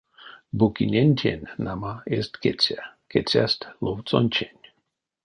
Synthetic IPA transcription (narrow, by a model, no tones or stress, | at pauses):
bukinʲenʲtʰʲḛnʲnamaest̪ket͡sʲaket͡sʲa̰st̪lovt͡sonʲt͡ʃʲenʲ